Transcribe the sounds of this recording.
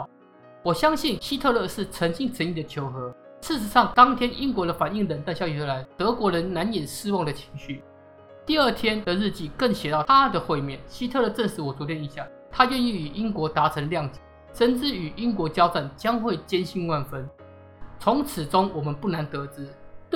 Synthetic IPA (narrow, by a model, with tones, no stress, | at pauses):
wɔ˨˩ɕjɑ˥ŋɕi˥˨nɕi˥t̪ʰɤ˥˧lɤ˥˧ʂɻ̩˥˨t͡sʰə˧˥ŋɕi˥˧ŋt͡sʰə˧˥ni˥˩d̪ə˩t͡ɕʰjo˧˥ʊxɤ˧˦ | ʂɻ̩˥˩ʂɻ̩˧˦ʂɑ˥˩ŋt̪ɑ˥ŋt̪ʰjɛ˥nʔi˦˥ŋkwɔ˧˥ɾə˧fa˨˩ni˥˩ŋɻə˧˥nt̪a˥˧ɕjɑ˥˩y˨˩xə˧˥la˧˦ɪt̪ɤ˧˥kwɔ˧˥ɻə˧˥nna˧˦˥njɛ˨˩nʂ̩˥wɑ˥˩ŋd̪ə˩t͡ɕʰi̥˧˥ŋɕy˥˩ | t̪i˥˧ə˥˩t̪ʰjɛ˥nd̪ə˨ɻ̩˥˧t͡ɕi˥˨kə˥˩ŋɕjɛ˨˩t̪ɑ˥˨ʊa˦d̪ə˨xwe˥˧ɪmjɛ˥˨nɕi˥t̪ʰɤ˥˧lɤ˥˧˩ʈ͡ʂə˥˧nʂɻ̩˧˥wɔ˨˩t͡su˧˥t̪jɛ˥˩ni˧˥ɕja˥˩ | t̪ʰa˥ɥɛ˥˧ni˥˩y˨˩ʔi˦˥nkwɔ˧˥t̪a˧˥t͡sʰə˧˥ŋljɑ˥˨ŋt͡ɕi˨˩˦ʂə˥˦nt͡sɻ̩˥˩y˨˩i˥nkwɔ˧˥t͡ɕjɑ˥ʊt͡sa˥˩nt͡ɕjɑ˥ŋxwe˥˩ɪt͡ɕjɛ˥nɕi˥˧nwa˥˧nfə˦n | t͡sʰʊ˨˧˥ŋt͡s̩ʰ˨˩t͡sʊ˦ŋwɔ˨˩mə˨˦npu˥˩na˧˦nt̪ɤ˧˦t͡sɹ̩˥